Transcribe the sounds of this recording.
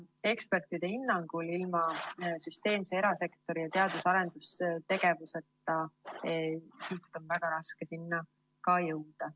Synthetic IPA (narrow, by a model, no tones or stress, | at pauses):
e̞kspe̞rt̪ˑid̪̥e̞inːɑŋɡ̥ulilmɑsyst̪e̞ːmsee̞ɾɑse̞kt̪o̞ɾijɑt̪e̞ɑd̪̥usɑɾe̞nd̪̥ust̪e̞ɡ̥e̞vuse̞t̪ːˑɑesiːt̪ːˑo̞nvæɡ̥ɑɾɑske̞sinːɑ | kɑjɤwd̪̥ɑ